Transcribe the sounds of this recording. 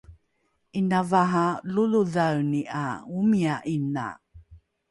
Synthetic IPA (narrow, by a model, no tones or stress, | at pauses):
ʔinavaɦaluluðawniʔa̰umiaʔina̰